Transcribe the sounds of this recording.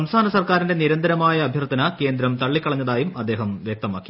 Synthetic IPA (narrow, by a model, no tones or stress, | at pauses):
sɐmst̪ʰaːnɐsɐrkaːɾinde̞niɾɐnd̪ɐɾɐmaːjɐːbʱjɐrd̪ʱːɐnɐke̞ːnd̪ɾɐmt̪ɐɭːikʲːɐɭɐɲːɐðaːjumɐd̪ːe̞ːɦɐmʋjek̚t̪ɐma̰ːkːi̥